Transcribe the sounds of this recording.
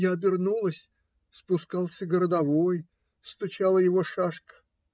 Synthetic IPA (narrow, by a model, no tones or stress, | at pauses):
jaɐbʲɪrnulˠəsʲ | spʊskɑlˠsʲəɡəɾəd̪ɐvoj | st̪ʊt͡ɕalˠəjɪvoʂaʂkə̥